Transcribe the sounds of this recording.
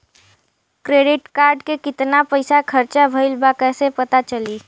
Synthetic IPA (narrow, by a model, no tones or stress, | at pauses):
kɾeɖɪʈkaɾɖkekɪt̪napəɪsakʰəɾt͡ʃabʱəɪlbakɛːsepət̪at͡ʃəli